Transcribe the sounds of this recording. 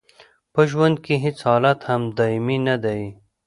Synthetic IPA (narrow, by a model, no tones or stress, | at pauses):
pəʒwand̪̚keɦɪt͡shɑːlat̪hamd̪ɑɪminad̪aj